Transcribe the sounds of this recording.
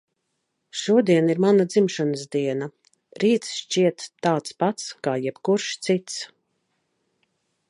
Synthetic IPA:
ʃuɔd̪iɛniɾmanad̪zimʃanəsd̪iɛna | ɾiːt̪sʃt͡ʃiɛt̪ːaːt̪spat̪skaːjɛbkuɾʃt̪sit̪s

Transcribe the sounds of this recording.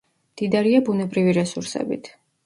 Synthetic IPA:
md̪̥id̪aɾiabunɛbɾiviɾɛsuɾsɛ̰bḭt̪ʰ

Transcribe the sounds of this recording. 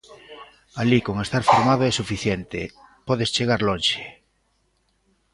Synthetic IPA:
aliko̞ŋe̞st̪aɾfoɾmað̞oesufiθjent̪ḛpoðest͡ʃeɣ̞aɾlonʃe̥

